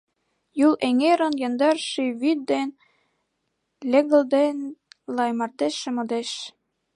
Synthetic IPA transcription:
julʔeŋeɾə̆njɑ̆nd̪ɑrʃiβyt̪̚d̪en | lʲĕɣə̆ld̪enlɑjmɑrt̪eʃĕmod̪eʃ

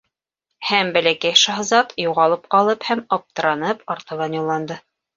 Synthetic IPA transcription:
hæmbælækæjʃɑɦzɑt̪juʁɑlˠɤp̚qɑlˠɤphæmɑp̚t̪ɤ̆ɾɑnɤpɑɾt̪ɤ̆βɑnjulˠːɑnd̪ɤ

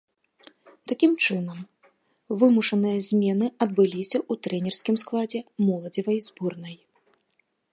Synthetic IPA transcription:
t̪akʲimt͡ʂɨnɐm | vɨmuʂɐnɨjɐzʲmʲɛnɨɐd̪bɨlʲisʲɐʔut̪ɾɛnʲɛrskʲimsklˠad͡zʲɛmɔlˠɐd͡zʲivɐjzburnɐj

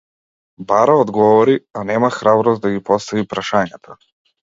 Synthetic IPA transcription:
baɾaɔd̪ɡɔvɔɾianɛmaxɾabɾɔsd̪aɡipɔst̪avipɾaʃaɲat̪ʰa

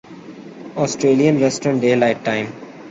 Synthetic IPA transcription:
ɔːsʈɾeːlijə̃nʋɛsʈənɖeːlaɪʈʈãɪ̃m

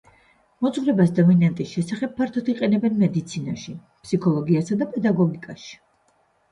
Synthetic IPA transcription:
mɔzvɾɛbasd̪ɔminant̪ʼisʃɛsaχɛb̚pʰːaɾt̪ʰɔt̪iqʼɛnɛbɛnmɛd̪it̪sʰinaʃi | psikʰɔlˠɔɡiasad̪apʼɛd̪aɡɔɡikʼaʃi̥

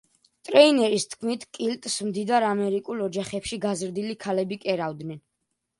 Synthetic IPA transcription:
t̪ʼɾɛinɛɾist̪ʰkʰmit̪ʰkʼilt̪ʼsmd̪id̪aɾamɛɾikʼulɔd͡ʒaχɛpʃiɡazɾd̪ilikʰalɛbikʼɛɾavd̪nɛn

